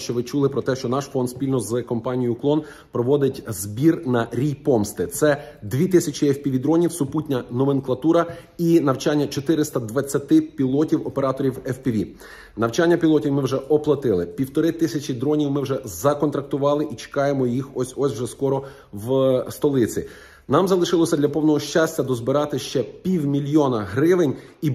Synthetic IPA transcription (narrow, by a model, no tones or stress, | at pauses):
ʃt͡ʃɔʋɪt͡ʃulˠɪpɾɔt̪ɛʃt͡ʃɔnɑʃfɔnd̪sʲpʲilʲnɔzkɔmpɑnʲijʊklˠɔn | pɾɔʋɔd̪ɪtʲzbʲirnɐɾʲijpɔmst̪ɪt̪sɛd̪ʋʲit̪ɪsʲɐt͡ʃiɛfpʲiʋʲid̪ɾɔnʲiwsʊputʲnʲɐnɔmenklˠɐt̪uɾɐ | inɐwt͡ʃanʲːɐt͡ʃɔt̪ɪɾɪst̪ɐd̪ʋɐt͡sʲːɐt̪ɪpʲilˠɔtʲiwɔpeɾɑt̪ɔɾʲiwɛfpʲiʋʲḭ | nɐwt͡ʃanʲːɐpʲilˠɔtʲiwmɪwʒɛɔplˠɐt̪ɪlˠɪpʲiwt̪ɔɾɪt̪ɪsʲɐt͡ʃid̪ɾɔnʲiwmɪwʒɛzɐkɔnt̪ɾɐk̚t̪ʊʋɑlˠɪʔit͡ʃe̥kɑjemɔjixɔsʲɔsʲwʒɛskɔɾɔ | wst̪ɔlˠɪt͡sʲḭ | nɑmzɐlˠɪʃɪlˠɔsʲɐd̪lʲɐpɔwnɔɦɔʃt͡ʃasʲtʲːɐd̪ɔzbɪɾɑt̪ɪʃt͡ʃɛpʲiwmʲilʲjɔnɐɦɾɪʋɪnʲ | i